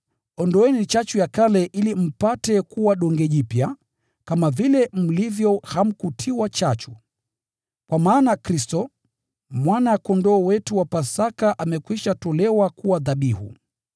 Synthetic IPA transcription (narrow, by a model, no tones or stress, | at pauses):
ɔndɔɛnit͡ʃat͡ʃujakalɛʔilim̩patɛkuwaɗɔŋɡɛʄipja | kamavilɛm̩livjɔham̩kutʰiwat͡ʃat͡ʃu̥ | kwamaːnakɾistɔ | mwanakɔndɔːwɛtuwapasakaʔamɛkwiʃatɔlɛwakuwaðaɓihṵ